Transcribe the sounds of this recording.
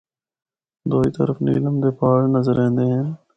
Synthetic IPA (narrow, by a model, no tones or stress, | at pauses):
d̪oːiːt̪ə̰ɾəfnḭːləmd̪eːpaːɽnəzəɾẽːnd̪eːɦɛ̃ː